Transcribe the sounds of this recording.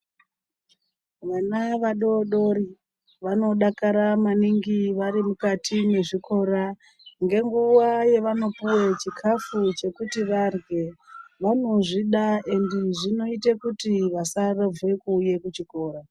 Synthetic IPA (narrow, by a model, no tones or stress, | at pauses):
ʋanaʋaɗo̞ɗo̞ɾi | ʋano̞ɗakaɾamaniŋɡiʋaɾimukatʰine̞ʐikʰo̞ɾa | ŋɡe̞ŋɡuwaje̞ʋano̞puwet͡ʃikʰafut͡ʃe̞kutiʋarɡe̞ʋano̞ʐiɗae̞ndeʐino̞itekutiʋasarab͡ve̞kuːje̞kut͡ʃiko̞ːɾa